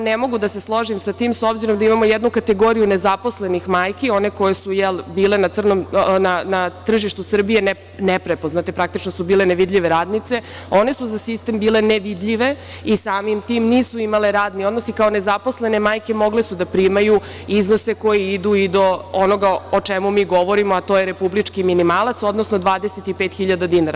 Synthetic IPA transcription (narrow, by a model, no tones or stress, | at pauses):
nemo̞ɡud̪ase̞slˠo̞ʒimsat̪iːmso̞bziɾo̞md̪aimamo̞jɛd̪nukat̪e̞ɡo̞ɾijune̞zapo̞sle̞nixmaːjkio̞ne̞ko̞jesujɛlbiːlenat̪sr̩no̞mnanat̪r̩ʒiʃt̪usr̩bije̞n | nepɾepoznat̪e̞pɾak̚t̪it͡ʃno̞subiːleneʋid̪ʎʲiʋe̞ɾaːd̪nit̪se̞o̞ne̞suzasist̪embiːle̞neʋid̪ʎʲiʋe̞ | isaːmimt̪iːmniːsuimale̞ɾaːd̪nio̞d̪nosikao̞ne̞zaposle̞nemaːjke̞mo̞ɡle̞sud̪apɾiːmaju | iznoseko̞jeid̪uid̪o̞ono̞ɡaot͡ʃemumiːɡo̞ʋo̞ɾimoat̪ojeɾe̞publit͡ʂkiminimaːlˠat̪so̞d̪nosno̞d̪ʋaːd̪eset̪ipeːt̪xiʎad̪ad̪inaɾa